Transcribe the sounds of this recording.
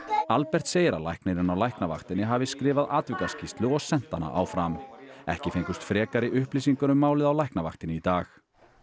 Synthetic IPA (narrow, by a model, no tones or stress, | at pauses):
alpɛr̥t̪seːjɪɾa̰lajhkneɾɪnawlajhknava̰xt̪ɪnːɪɦaːvɪskɾɪːvaðaːt̪vɪkascist̪lʏɔɣsɛn̥t̪a̰na̰ʔa̰wfɾamɛ̰hcɪfejŋkʏst̪fɾɛːkaɾɪʔʏhplisiŋkʏnʏmːaːwlɪðawlajhknava̰xt̪ɪnɪit̪aːx